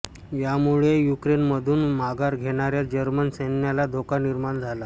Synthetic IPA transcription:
jamuɭejukɾenməd̪ʱuːnmaɡaɾɡʱeɽ̃aɾjad͡ʑəɾmənsenjalad̪ʱokaniɾmaɳd͡zʱala

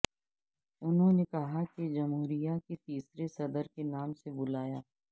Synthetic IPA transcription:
ʊnɦõnekɐɦakid͡ʒɐmɦuːɾijaket̪iːsɾesɐd̪əɾkenaːmsebʊlaːjaː

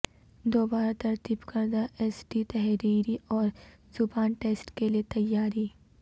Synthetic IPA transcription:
d̪oːbaːɾat̪ɐɾt̪iːbkɐɾd̪aʔeːsɖit̪ɛɦɾiːɾiʔɔːɾ | zʊbaːnʈeːsʈkeliet̪ɐjːaːɾiː

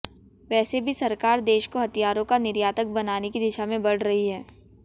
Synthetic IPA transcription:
ʋɛːsebʱisɐɾkaːɾd̪eːʃkoɦɐt̪ijaːɾõkanɪɾjaːt̪ək̚bɐnaːnekid̪ɪʃamẽbɐɽ̤ɾɐɦiɦɛː

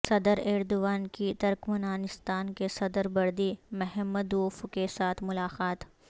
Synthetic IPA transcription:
sɐd̪əɾeːɾd̪ʊʋaːnkit̪ɐɾkmʊnaːnɪst̪aːnkesɐd̪əɾbɐɾd̪imɛɦɛmːəd̪uːfkesaːt̪ʰmʊlaːqaːt̪

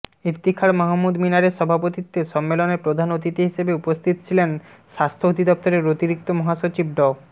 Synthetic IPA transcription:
ipt̪ikʰaɾmɔɦamːud̪minaɾeʃɔbʱapot̪it̪ːeʃɔmːelonepɾod̪ʱanot̪it̪eɦiʃebeupost̪ʰit̪ot͡ɕʰilenʃast̪ʰood̪ʱid̪ɔp̚t̪oɾeɾot̪iɾik̚t̪omɔɦaʃot͡ɕib̚ɖɔ

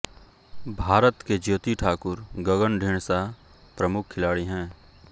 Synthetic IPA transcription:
bʱaːɾət̪ked͡ʒoːt̪iʈʰaːkʊɾɡəɡənɖʱeːɳ̃sa | pɾɐmʊkʰːɪlaːɽiɦɛ̃ː

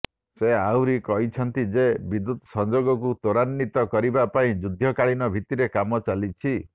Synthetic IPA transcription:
seawɾikɔɦit͡ʃʰɔnt̪id͡ʒebid̪ut̪ɔsɔnd͡ʒoɡɔkut̪oɾanːit̪ɔkɔɾibapaĩd͡ʒud̪ʱjɔkaɭinɔbʱit̪iɾekamɔt͡ʃalit͡ʃʰi

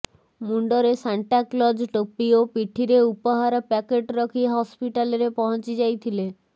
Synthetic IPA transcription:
muɳɖɔɾesaɳʈaklɔd͡ʒʈopiopiʈʰiɾeupɔɦaɾɔpɛkeʈɾɔkʰiɦɔspiʈalɔɾepɔɦɔnt͡ʃid͡ʒajt̪ʰile

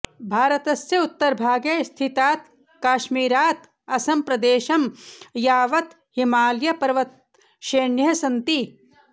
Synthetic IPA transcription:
bʱaːɾɐt̪ɐsjɐut̪ːɐɾbʱaːɡjɐst̪ʰit̪aːt̪ | kaːʃmiːɾaːt̪ | ɐsɐmpɾɐd̪eːʃɐmjaːʋɐt̪ | himaːljɐpɐɾɐʋɐt̪̚ | ʃeːɳjɐsɐnt̪i

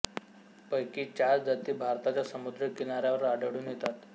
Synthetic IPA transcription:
pəjkiːt͡ɕaɾd͡zat̪iːbʱaɾt̪at͡ɕjasəmud̪ɾəkinaɾjaʋəɾaɖəɽuːnjet̪at̪

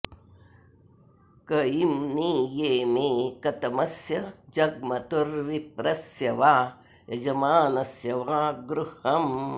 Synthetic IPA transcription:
kɐjimniːjeːmeːkɐt̪ɐmɐsjɐd͡ʒɐɡ̚mɐt̪uɾʋip̚ɾɐsjɐʋaː | jɐd͡ʒɐmaːnɐsjɐʋaːɡɾuhɐm

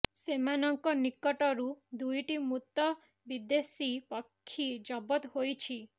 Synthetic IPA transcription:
semanɔŋkɔnikːɔʈɔɾud̪ujʈimut̪ːɔ | bid̪esipɔkʰːid͡ʒɔbɔt̪ɦojt͡ʃʰi

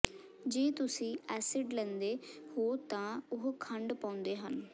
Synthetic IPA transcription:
d͡ʒeːt̪ʊsĩːɛːsɪɖlɛ̃ːnd̪eːhoːt̪ãːʊɦkʰəɳɖpãːʊnd̪eːɦən

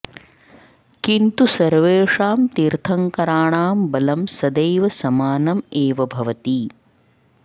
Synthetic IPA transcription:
kint̪usɐɾʋeːʂaːmt̪iɾt̪ʰɐŋkɐɾaːɳaːmbɐlɐmsɐd̪ɐjʋɐsɐmaːnɐmeːʋɐbʱɐʋɐt̪i

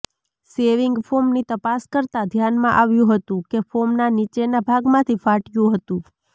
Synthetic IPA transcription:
seʋiŋɡfomnit̪əpaskəɾt̪ad̪ʱjanmãʔaʋjũɦət̪ũkefomnanit͡ʃenabʱaɡmãt̪ʰifaʈjũɦət̪ũ

